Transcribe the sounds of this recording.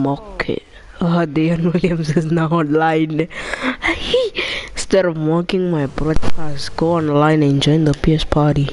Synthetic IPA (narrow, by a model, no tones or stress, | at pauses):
mɔkʰɛ̰ | adeɔnwiliə̃msɪznaɔ̃nlãjn | histɛɾɔvwɔkɪ̃ŋmajbɹɔd̚kʰastɡ̥oɔ̃nlãɪ̃nɛ̃nd͡ʒɔ̃j̃ŋd̪əpiɛspʰaɾi